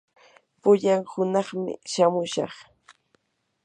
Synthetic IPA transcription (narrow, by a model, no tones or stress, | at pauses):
pʊʎaŋhʊnɑχmɪ̰ʃamʊʃɑ̰χ